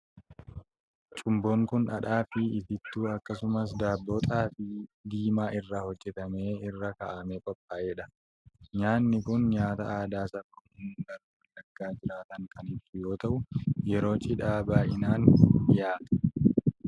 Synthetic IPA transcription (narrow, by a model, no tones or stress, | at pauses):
t͡ʃʼʊmboːŋkʊnᶑɐᶑaːfɪɪt̪ɪt̪ːuːɐkːɐsʊmɐs̬d̪aːbːoːt̪ʼaːfɪd̪iːmaːʔɪrːaːhɔd͡ʒːɛt̪ɐmeːɪrːɐkɐ̰ːʔɐmekʼɔpʼːaːʔeːᶑɐ | ɲaːnːɪkʊnɲaːt̪ɐ̰ʔaːd̪aːsɐkːɔʊnɡɐɾ | ɐlːɐɡːaːd͡ʒɪɾaːt̪ɐŋkɐnɪt̪ʊjo̞ːt̪ɐʔʊjɛɾo̞ːt͡ʃʼɪᶑaːbaːʔɪnaːnjaːt̪ɐ̥